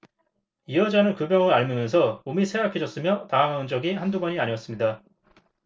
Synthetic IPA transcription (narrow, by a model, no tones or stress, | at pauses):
iʌd͡ʑanɯnkɯbjʌŋɯɾaɭmɯmjʌnsʰʌomisʰe̞akʰed͡ʑʌs͈ɯmjʌtaŋaŋɦaɯnd͡ʑʌɡihanduɡʌɲiaɲiʌs͈ɯmɲida